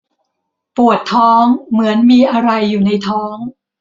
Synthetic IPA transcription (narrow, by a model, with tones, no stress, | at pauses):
pu˨˩ət̪ʰːɔː˦˥ŋmɯ˩˦ənmiː˧ʔa˧ɾa˧jːuː˨˩na˧jt̪ʰɔː˦˥ŋ